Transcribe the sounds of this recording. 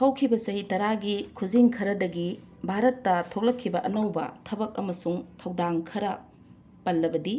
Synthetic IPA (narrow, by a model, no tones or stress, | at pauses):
hɐwkʰibɐsɐɦitɐɾaɡikʰud͡ʒiŋkʰɐɾɐdɐɡi | bʱaɾɐtːɐtʰok̚lɐkʰːibɐʔɐnɐwbɐ̰tʰɐbɐk̚ɐmɐsuŋtʰɐwdaŋkʰɐɾɐ | pɐlːɐbɐdi